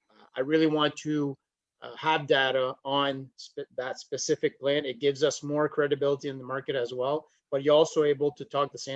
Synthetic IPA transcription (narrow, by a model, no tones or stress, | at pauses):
a̰ɪɹɪlˠiwɑ̃ntʰɨ | əvdeɪɾəə̃nsðətspɨsɪfɨk̚pʰl̥æ̃nɨt̚ɡ̥ɪvzʌsmɔɹkʰɹ̥ɛɾɨbɪlˠəɾiɨ̃nðəmɑɹkɨɾɨzwɛlˠ | b̥ʌt͡ʃə˞ɔlˠsoʊeɪbl̩ˠtʰɨtʰɔk̚ðəsẽ